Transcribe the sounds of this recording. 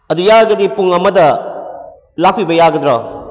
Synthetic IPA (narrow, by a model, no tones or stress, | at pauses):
ɐdujaɡɐdipuŋɐmɐdɐ | lak̚pibɐjaɡɐd̪ɾɔ